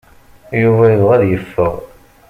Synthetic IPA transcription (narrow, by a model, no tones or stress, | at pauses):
juvæjəðʁæðjəfːəʁ